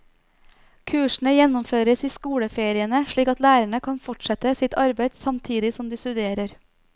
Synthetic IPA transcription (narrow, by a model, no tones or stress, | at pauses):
kʰʉːʃɳ̩əjɛnʊmføːɾəsiːskuːɽəfeːɾɪənəʃɭiːkɑt̪læːɾəɳəkʰɑnfɔʈʃɛt̪əsɪt̪ɑɾbeɪd̪sɑmt̪ʰiːd̪ɪsɔmd̪iːst̪ʉd̪eːɾəɾ